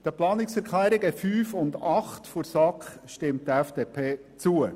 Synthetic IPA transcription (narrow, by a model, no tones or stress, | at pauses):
d̥əplɑːnɪksɛɾkʰlæːɾɪɡəfyːfʊnd̪ɑχtfɔɾsɑkχʃtɪmtəɛfd̥eːpʰeː | t͡suə